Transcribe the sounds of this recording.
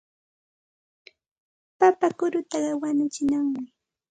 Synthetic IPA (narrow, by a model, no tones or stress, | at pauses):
papakʊɾʊt̪ɑɢɑwanʊt͡ʃɪnaŋmɪ